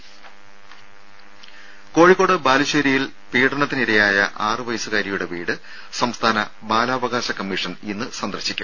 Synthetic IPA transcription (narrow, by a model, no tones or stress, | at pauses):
ko̞ːɻikːo̞ːɽɨbaːliɕeɾijil | piːʈɐɳɐt̪ːiniɾɐjaːjɐ̰ʔaːrɨʋɐjsuɣaːɾjɐjuɽe̞ʋiːɽɨ | sɐmst̪ʰaːnɐ | baːlaːʋɐɣaːɕɐkɐmːiʂɐninːɨsɐnd̪ɐrɕikʲːum